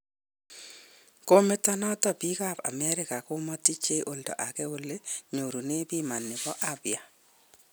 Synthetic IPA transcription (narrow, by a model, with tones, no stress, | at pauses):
ko˦me˦tɔ˦nɔ˦tɔ˦˨pi˦ka˦˨pa̰˨mɛ˦ɾɪ˦ka˨ko˦mɔ˦ti˦t͡ʃe˦ʔo˨ldɔ̰˨ʔa˨kɛ˦o˦lːe˦ɲo˨ɾu˨ne˦bi˦ma˨nːɪ˨bɔ˦ʔabja˨